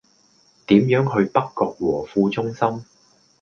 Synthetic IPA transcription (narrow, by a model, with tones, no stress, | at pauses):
t̪iː˨˥mjœː˨˥ŋɦɵ˧ɥpɐ˥kːɔː˧k̚wɔː˨˩fuː˧t͡sʊ˥ŋsɐ˥m